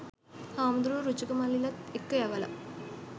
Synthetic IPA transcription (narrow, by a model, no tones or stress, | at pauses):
haːmd̪ɾuːɾud͡ʒuɡɐmɐlilɐt̪ekːɐjɐʋɐlɐ̰